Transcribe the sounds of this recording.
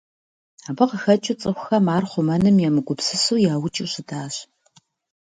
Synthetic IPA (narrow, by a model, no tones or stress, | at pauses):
aːbɐqəxɐt͡ʃʼɪt͡sʼɨxʷʊxɐmaːrχʷʊmɐnɨmjamɨɡʷʊpsɨsuːjaːwʊt͡ʃʼɪwɕɪdʰaːɕ